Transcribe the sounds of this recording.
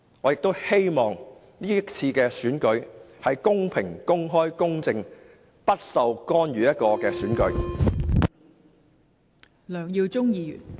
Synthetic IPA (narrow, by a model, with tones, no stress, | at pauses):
ŋɔː˨˧jɪ˨k̚t̪o˥whe˥jmɔː˨ŋ | niː˥t͡sʰiː˧kɛː˧syː˨˥nkɵ˨˧ɥhɐ˨jkʊ˥ŋpʰɪ˨˩ŋkʊ˥ŋɦɔː˥jkʊ˥ŋt͡sɪ˧ŋ | pɐ˥t̚sɐ˨wkɔː˥nɥyː˨˥jɐ˥t̚kɔː˧kɛː˧syː˨˥nkɵ˨˥ɥ | lœː˨˩ŋjiː˧wt͡sʊ˥ŋjiː˧y̰ː˨˩n